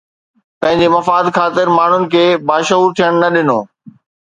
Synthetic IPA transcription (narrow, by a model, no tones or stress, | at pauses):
pɐ̃ɦɪ̃ɲd͡ʑemɐfaːd̪xaːt̪ɪɾmaːɳ̤ʊnɪ̆kʰeːbaːʃəɦuːɾt̪ʰijəɽ̃nɐɗɪnoː